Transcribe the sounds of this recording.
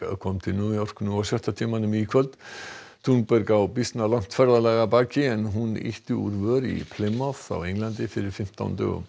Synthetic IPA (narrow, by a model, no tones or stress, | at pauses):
kʰɔmt̪ʰɪlnjuːjɔr̥knuasjœht̪at̪ʰiːmanʏmikʰvœlt̪ | t̪ʰunpœɾkawpist̪nalan̥t̪fɛɾðalɛɣapaːcɪɛnɦunḛht̪ʏṵɾvœːɾḭpʰlɪmːaθa̰wejŋlant̪ɪfɪɾɪɾ̥fɪm̥t̪a̰wnt̪œ̰ːɣʏ̰m